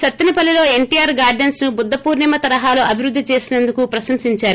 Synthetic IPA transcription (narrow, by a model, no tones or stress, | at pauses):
sɐt̪ːinipɐlːilo̞ːe̞ɳʈijaːɾɡaːɾɖɐnsnubud̪ːɐpuːɾnimɐt̪ɐɾɐɦaːloːɐbʱiɾud̪ːit͡ʃe̞ːsinɐnd̪ukupɾɐsɐmsiɲt͡ʃaːɾu